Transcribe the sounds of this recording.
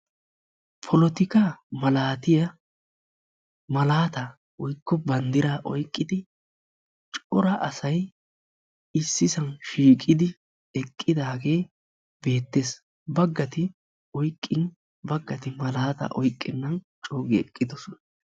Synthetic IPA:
pʰɔlɔt̪ɪkɐmɐlaːt̪ɪjɐ | mɐlaːt̪ɐ | wɔjkːɔbɐnd̪ɪɾaːʔɔjkʼːɪd̪ɪ | t͡ʃʼɔɾɐʔɐsɐj | ɪsːɪsɐnʃiːkʼɪd̪ɪ | ɛkʼːɪd̪aːɡe̞ː | be̞ːt̪ːe̞ːs | bɐɡːɐt̪ɪ | ɔjkʼːɪn | bɐɡːɐt̪ɪmɐlaːt̪ɐ̰ʔɔjkʼːɪnːɐn | t͡ʃʼoːɡɛɛkʼːɪd̪ɔsɔnɐ

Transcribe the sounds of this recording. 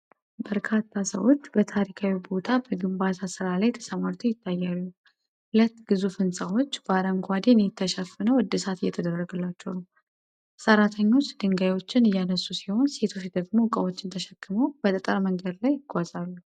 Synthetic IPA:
bəɾkʰat̪ʰːasə̰wo̞t͡ʃːbət̪ʰaɾikʰawibo̞t̪ʰabəɡɨmbat̪ʰasɨɾalajt̪ʰə̥səmaɾt̪ʰujɪt̪ʰːajːalːu | hlət̪ːɡ̥ɨzufɨnsʼawo̞t͡ʃːbaɾəŋɡʷad̪enjɪt̪ʰːəʃəfːɨnəwɨd̪ːɨsat̪ɨjːɛ̰t̪ʰəd̪ərːəɡəlːat͡ʃːɛwnəw | səɾat̪ʰəɲːo̞t͡ʃːd̪ɨŋɡajwo̞t͡ʃːɪnɨjːanəsːusiho̞nse̞t̪ʰo̞t͡ʃd̪əɡmo̞kʼəwo̞t͡ʃːɪnt̪ʰəʃɛkʰːɨməwb̥ət̪ʼət̪ʼəɾməŋɡəd̪lajɪɡʷʼazʼalːu

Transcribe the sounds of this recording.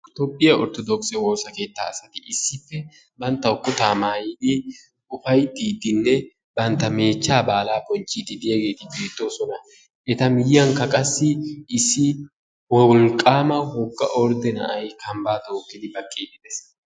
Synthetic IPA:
t̪oːpʼːɪjɐɔɾt̪ɔd̪ɔkʼsɛwo̞ːsɐke̞ːt̪ːa̰ːsɐt̪ɪʔɪsːɪfːɛ | bɐnt̪ːɐʊkːʊt̪aːmaːjiːd̪ɪ | ʊfɐjd̪iːd̪ɪnːɛ | bɐnt̪ːɐme̞ːt͡ʃːaːbaːlaːpɔnt͡ʃʼːiːd̪ɪd̪ɪjɐɡe̞ːt̪ɪbiːt̪ːosɔnɐ | ɛt̪ɐmɪjːɐŋkːɐkʼɐsːɪɪsːɪ | wɔlkʼːaːmɐhʊkːɐʔɔɾd̪ɛnɐ̰ʔɐjkɐmbaːt̪oːkːɪd̪ɪbɐkʼːiːd̪ɪd̪ɛs

